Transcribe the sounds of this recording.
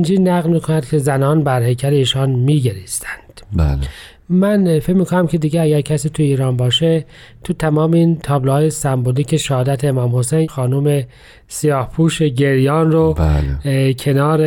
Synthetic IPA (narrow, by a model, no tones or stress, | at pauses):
nd͡ʒiːnæɣlmiːkʰonæd̪̥cʰe̞zænɒːnbæɾhecʰæɾeiːʃɒːnmiːɟeɾist̪ʰæ̥nd̪̥ba̰l | mænfecmiːkʰonæmcʰe̞d̪iːɡeæɡæɾcʰæsiːt̪ʰuiːɾɒːnbɒːʃe | t̪ʰut̪ʰæmɒːmeiːnt̪ʰɒːblehɒːjesæmboliːcʰe̞ʃæhɒːd̪æt̪ʰeːmɒːmho̞sejnxɒːnume̞ | sijɒːhpʰuːʃeɟeɾjɒːnroa̰lkʰe̞nɒːɾe